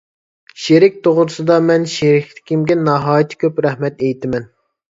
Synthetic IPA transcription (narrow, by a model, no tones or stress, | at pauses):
ʃeɾɪk̚ʲt̪ʰoʁʊɾɨsɨd̪ɑmɛnʃeɾɪkʰʲt̪ʰɪ̥kʲimɡʲɛnɑɦɑːjit̪ʰɪ̥kʲʰøpɾɛhmɛt̪ejt̪ʰɪmɛn